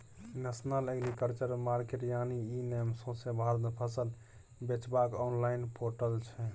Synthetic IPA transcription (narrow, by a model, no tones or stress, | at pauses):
nɛsnaleɡɾikəɾt͡ʃəɾmaɾkeʈjaniinemsõsẽbʱaɾd̪pʰəsəl | bet͡ʃbakɔnlaɪnpʰoʈəlt͡ʃʰɛ